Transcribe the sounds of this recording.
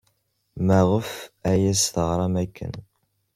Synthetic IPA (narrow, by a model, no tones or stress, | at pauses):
mæʁəfæjæsθəʁɾˤɑmækːə̰n